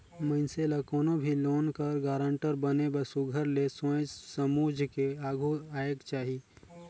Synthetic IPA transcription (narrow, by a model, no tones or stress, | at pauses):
mə̃ɪnselakoːnobʱiloːnkəɾɡaːɾə̃ɳʈəɾbənebəsuɡʱəɾlesõd͡ʒsəmuːd͡ʒʱkeaːɡʱuaːjəkt͡ʃaːɦi